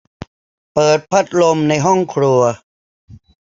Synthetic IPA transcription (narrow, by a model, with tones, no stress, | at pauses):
pɤː˨˩t̪̚pʰa˦˥t̪̚lo˧mna˧jɦɔ˥˩ŋkʰɾu˧ɐ